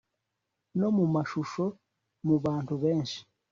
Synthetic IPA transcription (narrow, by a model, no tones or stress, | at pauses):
no̞mumaʃuʃo̞ | muβaːntuβeːnʃi̥